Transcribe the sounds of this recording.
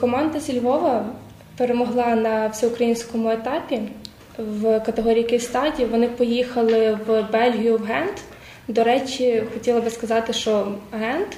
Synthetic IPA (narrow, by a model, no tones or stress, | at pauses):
kɔmɑnd̪ɐsʲilʲʋɔʋɐ | peɾemɔɦlˠɑnɐwsʲɛʊkɾɐjinʲsʲkɔmʊet̪ɑpʲi | wkɐt̪eɦɔɾʲijkejst̪ɑdʲiʋɔnɪpɔjixɐlˠɪwbɛlʲɦʲijʊwɦɛnt̪ | d̪ɔɾɛt͡ʃʲixɔtʲilˠɐbɪskɐzɑt̪ɪʃt͡ʃɔɦɛnt̪